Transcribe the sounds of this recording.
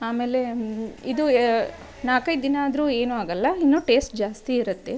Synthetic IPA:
aːme̞ːle̞id̪u | naːkɐj̪d̪inaːd̪ɾuːe̞ːnuaːɡɐlːɐinːuːʈe̞ːsʈ̚d͡ʒaːst̪iːɾɐt̪ːe

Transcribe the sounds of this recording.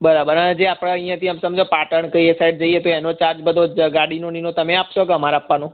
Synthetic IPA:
bəɾabəɾənd͡ʒeapɽ̃aə̃j̃jãt̪iamsəmd͡ʒopaʈəɳkəiesaiɖ̚d͡ʒəiet̪oenot͡ʃaɾd͡ʒbəd̪ʱoɡaɽinoninõt̪əmẽapʃoɡəmaɾaːpʋanõ

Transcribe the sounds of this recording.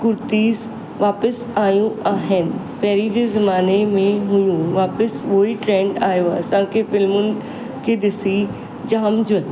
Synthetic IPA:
kʊɾt̪iːz | ʋaːpəs | aːjũaːɦɪnɪ̆ | pɛɦɾid͡ʑeːzɐmaːnemẽɦʊjũʋaːpəsʋoːiʈɾẽːɳɖaːjoɐsãkʰefɪlmʊnɪ̆ | kʰedɪsi | d͡ʑɐɦəmd͡ʑʊ

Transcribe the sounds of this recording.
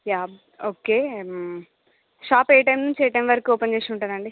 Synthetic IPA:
jaː | oːke | ʃaːpeːjʈɐjmnuɲt͡ʃɛːjʈɐjmʋɐɾɐkiɔːpent͡ʃeːʂuɳʈũnd̪ɐɳɖi

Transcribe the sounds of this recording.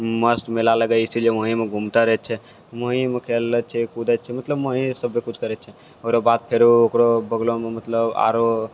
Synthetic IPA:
məsʈmelaləɡəisileməɦimeɡʱumt̪aɾɛɦɛt͡ʃʰɛ | məɦĩmekʰelət͡ʃʰɛkud̪ət͡ʃʰɛmət̪ləbməɦĩsəbːekut͡ʃʰkəɾɛt͡ʃʰɛ | oɾobat̪̚pʰeɾookɾobəɡlomemət̪ləba̰ɾo

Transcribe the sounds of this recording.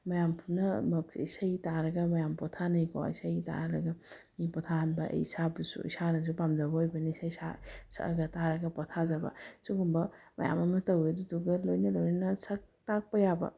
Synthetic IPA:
mɐjampʰunɐmɐk̚sisajitaɾɐɡɐmɐjampɔtʰanɐjkɔ̰jsajita̰ɾɐɾɐɡɐ | ipɔtʰaanbɐʔsabɐsṵḭsanɐs̬upamzabɐojbɐnisajsa̰sa̰ɡɐtaɾɐɡɐpɔtʰazabɐ̰suɡumbɐ | mɐ̰ja̰mɐmɐtɐweduduɡɐlojnɐlojnɐnɐsak̚tak̚pɐjabɐ̰

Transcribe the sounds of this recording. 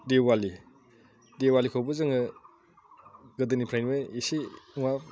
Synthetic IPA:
dewali | dewalikʰɔwbuzɯŋɯ | ɡɯdɯnipʰɾajnmeisiuŋa

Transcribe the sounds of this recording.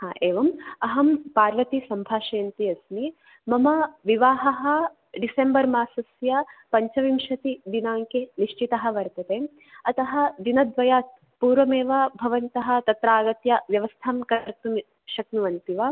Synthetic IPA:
haːʔeːʋɐmɐɦɐmpaːɾʋɐt̪isɐmbʱaːʃɐjɐnt̪iɐsmi | mɐmɐʋiʋaːɦɐɦɐ̆ | ɖisembɐɾmaːsɐsjɐpɐɲt͡ʃɐʋimʃɐt̪id̪inaːŋkeniʂt͡ʃit̪ɐɦɐ̆ʋɐɾt̪ɐt̪eː | ɐt̪ɐɦɐ̆d̪inɐd̪ʋɐjaːt̪ | puːɾʋɐmeːʋɐbʱɐʋɐnt̪ɐɦɐ̆t̪ɐt̪ɾaːɡɐt̪jɐʋjɐʋɐst̪ʰaːmkɐɐɾt̪u | ʃɐk̚nuʋɐnt̪iʋɐ

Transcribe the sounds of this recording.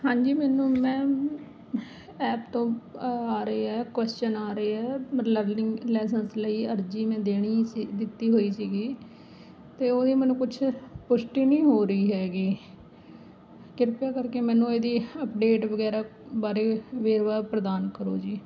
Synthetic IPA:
hãːɲd͡ʒiːmɛːnũːmɛ̃ː | ɛːpt̪õːaːɾəiːɛːkʋɛːst͡ʃənaːɾəiːɛːləɾlɪŋlɛːs̬ənsləiːəɾd͡ʒiːmɛ̃ːd̪eːɽ̃iːd̪ɪt̪ːiːɦoːiːsiːɡiː | t̪eːoːd̪iːmɛ̃ːnũːkʊt͡ʃʰpʊʃʈiːnĩːɦoːɾəiːɦɛːɡiː | kɪɾpjaːkəɾkeːmɛ̃ːnũːeːd̪iːəpɖeːʈʋəɡɛːɾaːbaːɾeːʋeːɾʋaːpɾəd̪aːnkəɾo̰ːd͡ʒiː

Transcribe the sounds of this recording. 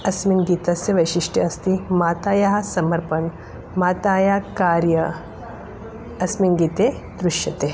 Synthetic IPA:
ɐsminɡiːt̪ɐsjɐʋɐjʃiʂʈʰɐɐst̪imaːt̪aːjaɦɐsɐmɐɾpɐn | maːt̪aːjaːkaːɾjɐ | ɐsminɡiːt̪eː | d̪ɾuʃjɐt̪eː

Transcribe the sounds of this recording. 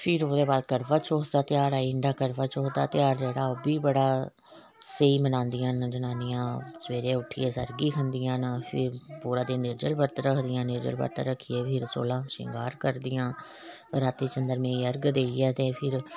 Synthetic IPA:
pʰɪɾoːd̪eːbaːd̪̚kəɾʋaːt͡ʃʰoːsd̪aːt̪ɪjaːɾaːiɪɳɖaːkəɾʋaːt͡ʃoːd̪a̰ːt̪ɪjaːɾd͡ʒeːɽaːoːbiːbəɽaː | səiːmənãːnd̪ɪjãːnd͡ʒənaːnɪjãːsəʋeːɾẽːʊʈʰːɪeːsə̰ɾɡiːkʰənd̪ɪjãːnpʰɪ̰ɾpuːɾãːd̪iːnɪɾd͡ʒəlbəɾt̪ɾəkʰd̪ɪjãːnɪɾd͡ʒə̰lbə̰ɾt̪ɾəkʰːijeːpʰɪɾso̰ːlãːʃɪ̰̃ŋɡaːɾkəɾd̪ɪjãː | ɾaːt̪iːt͡ʃənd̪əɾmẽiːəɾɡd̪eːiɛːt̪ẽːpʰɪɾ

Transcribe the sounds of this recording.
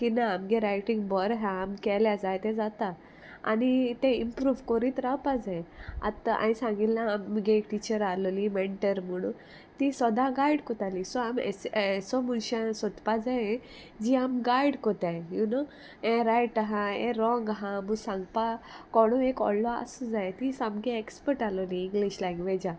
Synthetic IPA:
kinaːmɡeɾajʈiŋɡbɔɾɦãːmkɛljad͡zajt̪ɛ̃d͡zat̪a | a̰nit̪ẽimpɾuːʋkɔɾiːt̪ɾawpad͡zẽa̰t̪aʔã̰ĩsãŋɡillãːmːɡeːkʈit͡ɕəɾalɔlimeɳʈəɾm̤əɽ̃ṵ̃ | t̪isʋəd̪aɡajɽkɔt̪alisɔamḛsesɔmunɕãsɔt̪pad͡zaẽ | d͡ʑiamɡajɽkɔt̪aẽjuno | ẽɾajʈaɦãḛ̃ɾɔ̃ŋɡɦãmusãŋɡpakɔɽ̃uekɔ̰lːɔa̰sud͡zajet̪isamɡeekspəɾʈalɔliːŋɡliɕlãŋɡʋed͡ʑa

